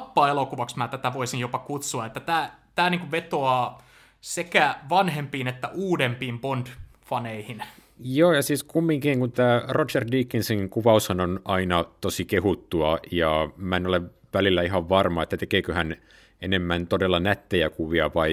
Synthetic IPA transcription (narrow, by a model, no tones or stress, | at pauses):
pːɑːelokuʋɑksmæːt̪æt̪æʋoisinjopɑkut̪suɑet̪ːæt̪æːt̪æːniːŋkuʋet̪oɑː | sekæʋɑnhempiːnet̪ːæʔuːdempiːmpond̥ | fɑneihin | joːjɑsiːskumːiŋkiŋkunt̪æːrot͡ʃerdiːkːinsiŋkuʋɑushɑnonɑinɑt̪osikehut̪ːuɑjɑmæenoleʋ | ʋælilːæiɦɑʋʋɑrmɑet̪ːæt̪ekeːkøhæn | enemːænt̪odelːɑnæt̪ːejækuʋiɑʋɑi